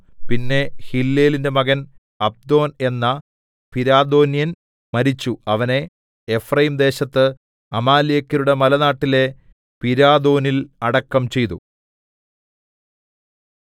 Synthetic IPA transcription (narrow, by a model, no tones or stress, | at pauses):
pinːe̞hilːe̞ːlinde̞mɐɣɐn | ɐb̚d̪o̞ːne̞nːɐ | piɾaːd̪o̞ːnijɐn | mɐɾit͡ɕːuɐʋɐne̞ː | frɐjimd̪e̞ːɕɐt̪ːɨ | ɐmaːlijɐkːɐɾuɽe̞mɐlɐnaːʈːile̞ | piɾaːd̪o̞ːnilɐɽɐkːɐmt͡ɕe̞jt̪u